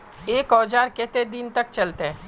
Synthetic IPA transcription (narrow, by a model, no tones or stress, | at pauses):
eːkɔːd͡ʒaːɾket̪ed̪ɪnt̪ɐk̚t͡ʃɐlt̪eɛ̃